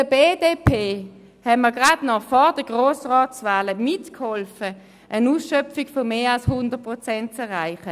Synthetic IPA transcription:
əbeːdeːpʰeː | hɛməɐɡʁadnɔfɔd̥əɡ̥ʁoːsʁɔːtsvaːləmɪtkhɔlfə | ʔənuːsʃœpfiɡ̥fɔmeːʁalshʊnd̥ət̚pʁɔt͡sɛnt̚t͡sɛɐʁʁaɪχə

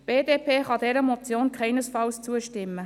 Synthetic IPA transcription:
b̥eːdeːpʰeːχɑdɛɾəmɔt͡sjoːnkʰχɛɪnəsfɑlst͡suəʃtɪmːə

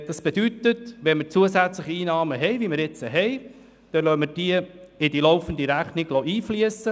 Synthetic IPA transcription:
d̥̪ɑsb̥ed̥̪yt̪ətʋɛnməɾt͡suəsæt͡sləχiiːnɑːməɦɛɪvimɪɾɪt͡səɦɛɪ | d̪̥ɛlœmɪɾd̥iəɪd̥ilɔʊfənd̪iɾæχnɪɡlɔʔiːfliəsə

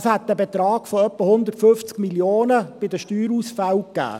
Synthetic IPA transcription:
shɛt̪̚dæbet̪ɾɑːɡ̥fɔœpːəhʊnd̪ərtfʏft͡skmiljoːnəb̥ɪdəʃtyːɾusfæwkːæ̰ː

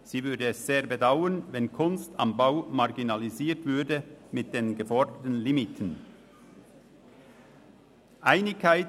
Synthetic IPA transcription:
z̥iːvʏɐdəɛsz̥eːɐbədaʊənvɛnkʰʊnsta̰mbaʊmɑʁɡinɑliziːɐtv̥ʏɐdəmɪt̚d̥enɡəfɔɐdətn̩lɪmitʰən̩ | ʔaɪnɪçkʰːaɪt

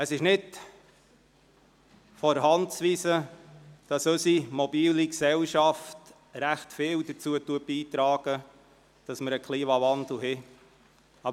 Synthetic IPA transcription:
əsɪʃnɪd | fɔɾɦɑntsʋiːsəd̥ɑsœsimɔbiːliksɛlʃɑft | ɾæχtfɪːwd̥ət͡suəttːuət̚biːt̪ɾɑːɡ̥ə | d̥ɑsməɾəkʰliːmɑvɑnd̪l̩ˠɦɪ | ɑb

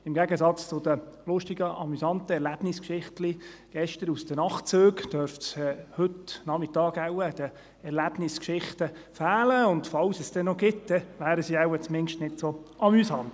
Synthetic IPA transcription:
ɪmɡæɡəsɑt͡st͡sʊd̪əlʊʃtɪɡəʔɑ̰mysɑnt̪əɛɾlæb̥nɪskʃɪχtliɡ̥ɛʃtəɾusd̥̪ənɑχt͡søːɡd̥œɾfsɛhɵtnɑmɪtɑːɡawəd̥̪ə | ɛɾlæb̥nɪskʃɪχt̪əfæːləʊndfɑwsəsd̥̪ɛnːoɡɪt̪̚d̪ɛʋæːɾəsiaʊət͡smɪŋʃtnɪtsoʔɑmysɑnt̪

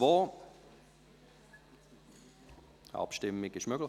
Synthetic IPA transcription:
voː | ɑ̰pʃtɪmɪɡɪʃmøɡlɪ

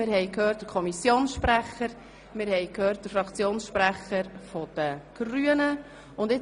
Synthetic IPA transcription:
ɪɾhɛɪkʰhøːt̚d̥əɾkʰɔmisjoːnsʃpɾæχəɾ | mɪɾhɛɪkhøːɾt̚d̥əɾfɾɑkt͡sjoːnsʃpɾæχəɾfɔd̥əɡ̥ryənə | ʊndɪ

